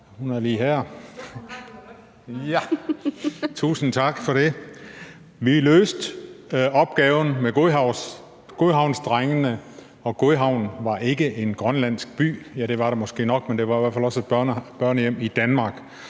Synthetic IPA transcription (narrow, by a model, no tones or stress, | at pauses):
hunæɐliːɦæɐ̰ | jæ | t͡sʰṵːsn̩t͡sʰɑ̈ɡ̥fɒ̽ɾe̝ | ʋilø̰ːsd̥ | ɒ̽b̥ɡ̥ɛːʊn̩meɡ̥oʊ̰ | ɡ̥oðɦɑ̈ʊnsd̥ʁaŋənə | ɒ̽ɡ̥oðɦɑ̈ʊ̰nʋɑ̈ʔe̝ɡ̥əʔe̝nɡ̥ʁɶnlæn̰sɡ̥̚b̥y̰ːjæɾ̥e̝ʋɑ̈ɾemɒ̽sɡ̥e̝̰ːnɒ̽ɡ̥mend̥e̝ʋɑ̈iʋæɐfælɒ̽sed̥b̥ɐnb̥ɶɐ̰njem̰id̥ænmɑ̈ːɡ̥